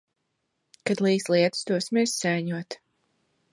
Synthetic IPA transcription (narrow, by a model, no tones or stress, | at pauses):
kad̪lˠiːsliɛt̪ɨ̥st̪uɔsmʲiɾssɛːɲuɔt̪